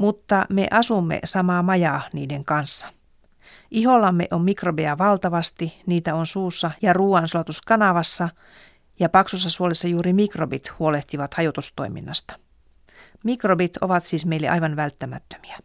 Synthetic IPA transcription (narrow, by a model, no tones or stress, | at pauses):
mut̪ːɑmḛʔɑsumːḛsɑmɑːmɑjɑniːdeŋkɑnsːɑ̥ | ʔiɦolɑmːeʔomːikrobeæʋɑlt̪ɑʋɑst̪iniːt̪æonsuːsːɑjɑruːɑnsuɑt̪uskɑnɑʋɑsːɑ | jɑpɑksusːɑsuolesːɑjuːɾimikrobit̪huo̞leht̪iʋɑt̪hɑjot̪ust̪o̞̰imḭnːɑst̪ɑ̥ | mikrobit̪oʋɑt̪siːsmeilːeʔɑ̰jʋɑnʋælt̪ːæmæ̰t̪ːø̥mi̥æ